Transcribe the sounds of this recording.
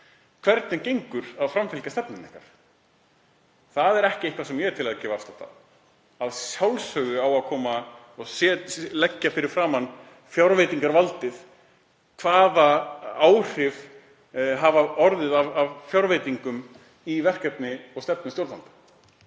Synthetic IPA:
kʰv̥ɛɾt̪nɪncejŋkʏɾaðfɾamfɪlcast̪ɛpnɪnɪhka̰ɾ̥ | θaðɛɾɛhcɪejhkvasɛmjɛɾt̪ʰɪlaðacɛːvafst̪ḁt̪a̰ | aðsjawlsœɣʏawaðkʰɔːma | ɔɣsɛlɛcːafɪɾɪɾ̥fɾaːmanː | fjawɾvejt̪iŋkaɾvalt̪ɪð | kʰvaːðaaːwr̥ɪv | ɦavaɔɾðɪðavavfjawɾvejt̪iŋkʏm | ivɛr̥kɛp̪nɪɔɣst̪ɛpnɪmst̪jowɾt̪lant̪ḁ

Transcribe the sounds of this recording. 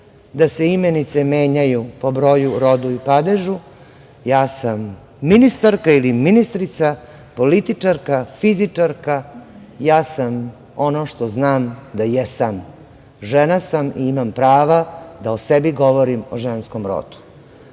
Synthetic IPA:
d̪aseimenit̪seme̞ːɲajupo̞bɾo̞juɾo̞d̪uipad̪eʒu | jaːsamː | inist̪aɾkailiminist̪ɾit̪sa | polit̪it͡ʂaɾkafiziaɾkajaːsam | o̞noʂt̪o̞znaːmd̪ajɛsam | ʒenasamḭimampɾaːʋad̪aosebiɡo̞ʋoɾimoʒensko̞mɾo̰d̪u̥

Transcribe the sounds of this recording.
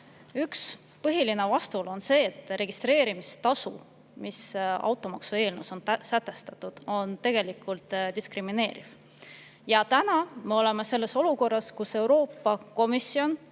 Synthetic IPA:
yks | pɤɦiline̞vɑst̪ulo̞nse̞ːt̪ːˑre̞ɡ̥ist̪ɾe̞ːɾimist̪ɑsṵ | misɑ̰wt̪ːˑo̞mɑksue̞ːlnuso̞nsæt̪ːˑe̞st̪ɑt̪ːˑud̪̥o̞nt̪e̞ɡ̥e̞likˑult̪ˑd̪iskrimine̞ːɾḭv̥ | jɑt̪ænɑme̞o̞le̞me̞se̞lːe̞so̞luko̞rːɑskuse̞wɾo̞ːpˑːɑko̞misio̞n

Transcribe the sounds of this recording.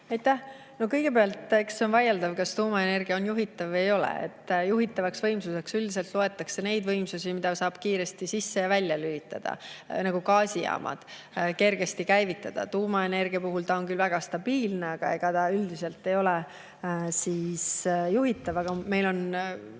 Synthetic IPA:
ɑjt̪ːæh | no̞kɤjɡ̥e̞peɑlt̪ːˑekseonvɑjɑld̪ɑvkɑst̪uːmɑe̞ne̞rɡ̥iɑonjuɦit̪ːˑɑvejo̞lḛḛt̪ːjuɦit̪ːˑɑvɑksvɤjmsuse̞ksyld̪is̬e̞lt̪loe̞t̪ːˑɑkse̞ne̞jd̪vɤjmsusimid̪̥ɑsɑːb̥kiːɾe̞st̪isisːe̞jɑvælʲːjɑlyit̪ːˑɑ̰d̪̥ɑ̰nɑɡ̥ukɑːsʲijɑ̰ːmʔɑ̰d̪̥ | ke̞rɡ̥e̞st̪ikæjvit̪ːˑɑd̪̥ɑ̰t̪uːmɑe̞ne̞rɡ̥iɑpuɦult̪ɑoŋkylvæɡ̥ɑst̪ɑb̥iːlneɑɡ̥ɑ̰e̞ɡ̥ɑt̪ɑyld̪ise̞lt̪ˑːe̞jo̞le | siːsjuɦit̪ːˑɑvɑɡ̥ɑme̞jlo̞n

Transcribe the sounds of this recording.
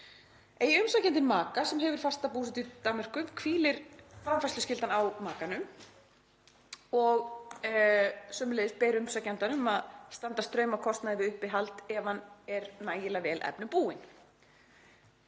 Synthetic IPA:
ejʏmsacɛnt̪ɪmaːkasɛmɦɛvʏɾ̥fast̪apuːsɪt̪ʏt̪amɛr̥kʏmkʰviːlɪɾ̥fɾamfaslʏscɪlt̪anawmaːkanʏm | ɔɣ | sœːmʏlejðɪspɛːɾʏmsacɛnt̪anʏmaðst̪ant̪ast̪ɾœːɥmawkʰɔst̪naðɪvɪʏhpɪɦalt̪ɛːvanɛɾnaːjɪlavɛːlʔɛ̰pnʏpuːɪn

